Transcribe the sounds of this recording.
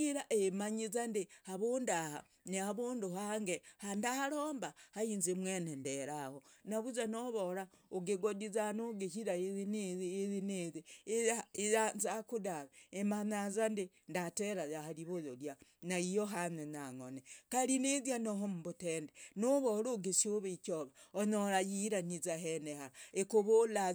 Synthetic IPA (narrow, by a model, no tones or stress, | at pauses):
ɡiɾaʔemaɲizandihaβundaha̰ | niaβuːnduhaŋɡehandaloːmbahainzimwenendeɾahonaβuzanoβoɾaoɡeɡodizanuɡeçiɾainiːzineziaanzakudaβeemanazande | ndateɾajahaliβojoljanaijoɦanenaŋonekalinezjanoɦomuβutendenoβoɾoɡesioβikoβaonoɾajiɾanizaɦenehaekuβola